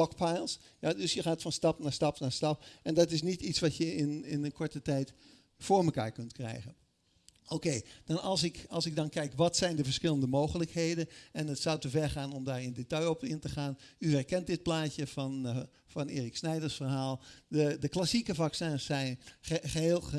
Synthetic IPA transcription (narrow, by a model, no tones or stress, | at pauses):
ɔkpajlˠsjadɵsjəχaːtfɑnstɑpnaːɹstɑpnaːstɑpɛndɑtɪs̬nititsʋɑtjəɪnɪnənkʰɔɹtətɛjt | foːɹməka̰ːɹkɵntkrɛ̰jɣən | okeːdɑnɑlˠsɪkɑlˠsɪɡ̚dɑnkɛjkʋɑtsɛjndəvəɹsχɪləndəmowχələkheːdənɛnətsawtəvɛɹχaːnɔmdaːɹɪndetɑjopɪntəχaːnyhɛrkɛnt̚dɪt̚plaːtəvn | fɑneːrɪksnɛjdəɹsfərɦaːlˠdədəklasikəvɑksɛsɛjnəɦeːlˠ